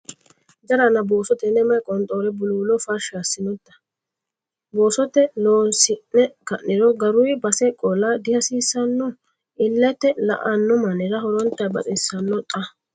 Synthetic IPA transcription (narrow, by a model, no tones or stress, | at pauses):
d̪ɐɾanɐbo̞ːsɔt̪ɛnɛmɐjkʼɔnt̪ʼoːɾɛbʊluːlɔfɐɾʃasːɪnɔt̪ːɐ̥ | boːsɔt̪ɛloːnsɪnːɛkɐʔːɪɾɔɡɐɾʊjbɐsɛkʼɔlɐd̪ɪhɐsiːsːɐnːɔ | ɪlːɛt̪ːɛlɐ̰ʔɐnːɔmɐnɪɾɐhɔɾɔnt̪ːɐjbɐ̰t̪ʼɪsːɐnːɔt̪ʼɐ